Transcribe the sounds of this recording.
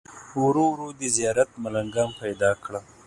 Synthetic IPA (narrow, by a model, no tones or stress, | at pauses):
wɾowɾod̪əzijɑɾat̪̚malaŋɡɑmpajd̪ɑkɽa